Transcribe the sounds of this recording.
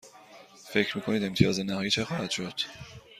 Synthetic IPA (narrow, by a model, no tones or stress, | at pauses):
fe̞cʰɾmiːkʰo̞niːd̪e̞mt̪ʰijɒːzenæhɒːjiːt͡ʃʰexɒːhæd̪̥ʃod̪̥